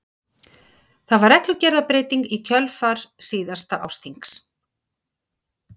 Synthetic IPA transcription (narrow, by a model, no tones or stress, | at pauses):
θaðvaɾɛklʏcɛɾðapɾeːjt̪iŋkicʰœlfaɾ̥siːðast̪aʔa̰wst̪iŋks